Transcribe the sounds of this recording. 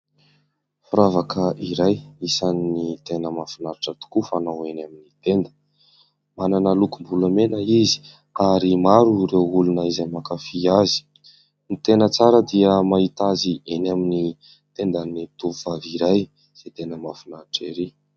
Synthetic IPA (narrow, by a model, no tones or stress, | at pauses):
fuɾavakʰəʔiɾajisanːit̪enəmafinaɾiʈ͡ʂət̪u̥kufanawenaminit̪end̪ə̥ | mananəlukumbuləmenəizi̥ | aɾimaɾurewulunaizamakafiazi̥ | nit̪enət͡saɾəd̪iəmait̪aziʔenamini | t̪end̪anit̪uvvaviɾaj | z̥et̪enəmafinaɾiʈ͡ʂeɾi